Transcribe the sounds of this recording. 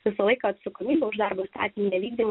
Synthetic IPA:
ʋʲɪsɐlˠɐɪkɐɐt̪sɐkomʲiːbʲɛʊʒd̪ɑɾboːst̪ɑ̰ːt̪ʲɪmʲinʲɛʋʲiːɡd̪ʲɪm

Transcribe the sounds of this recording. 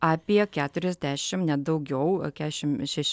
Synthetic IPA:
ɑːpʲijɛkʲæːt̪ʲʊɾʲɛzʲd̪ʲæːʃʲɪmnʲɛd̪ɐʊɡʲɛʊkʲæːʃʲɪmʃʲɛʃʲ

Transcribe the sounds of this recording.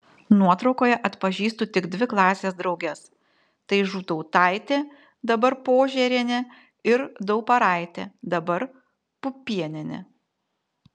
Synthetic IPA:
nuɔt̪ɾɒʊkoːjɛʔɐt̪pɐʒʲiːst̪uːt̪ʲɪɡd̪ʲʋʲɪklˠɑːsʲeːsd̪ɾɒʊɡʲɛs | t̪ɐɪʒuːt̪ɔʊt̪ɐɪt̪ʲeː | d̪ɐbɐɾpoːʒʲɛɾʲenʲɛ | ɪɾd̪ɐʊpɐɾɑˑɪt̪ʲḛːd̪ɐbɐɾ | pʊpʲiɛnʲɪnʲɛ̰

